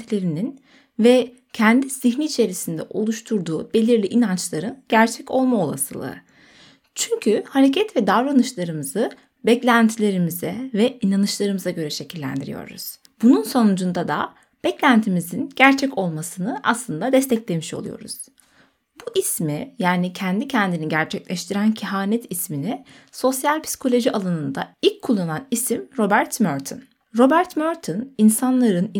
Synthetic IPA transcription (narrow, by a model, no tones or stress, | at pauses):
ilʲe̞ɾinin | vɛ | cʰɛnd̪iz̥içniːt͡ʃʰe̞ɾisind̪ɛ̰ʔo̞lˠuʃt̪ʰuɾd̪uːb̥e̞lʲiɾlʲiʔinant͡ʃlˠaɾɯnɟ̥æɾt͡ʃʰɛco̞lˠmao̞lˠa̰sɯ̰lˠɯ̰ | t͡ʃʰyɲcʰyhaɾecʰɛt̪vɛd̪avɾanɯʃlˠaɾɯmɯzɯ | bɛclʲænt̪ʰilʲe̞ɾimizɛvɛinanɯʃlˠaɾɯmɯzaɟø̞ɾɛʃe̞cʰilʲːæ̰nd̪iɾḭjo̞̰ɾṵz̥ | b̥ununso̞nud͡ʒund̪ad̪a̰ | b̥ɛclʲænt̪ʰimizinɟæɾt͡ʃʰɛco̞lˠmasɯnɯʔaslˠɯnd̪ad̪ɛst̪ɛclʲe̞miʃolˠṵjo̞̰ɾṵz̥ | buʔismijaːnicʰɛnd̪icʰɛnd̪iniɟæɾt͡ʃʰɛclʲɛʃt̪ʰiɾæncʰiɦaːnɛt̪ʰismini | so̞sjalʲpʰi̥si̥kʰo̞lʲo̞ʒiʔalˠanɯnd̪a̰ilʲckʰːulˠːananisimɾo̞bæɾt̪møɾt̪ʰɯ̰n | ɾo̞bæɾt̪møɾt̪ʰɯninsanlˠaɾɯn